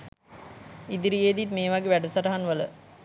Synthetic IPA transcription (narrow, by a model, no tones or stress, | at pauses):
id̪iɾijeːd̪it̪meːʋaɡeːʋæɖəsaʈɐɦanʋələ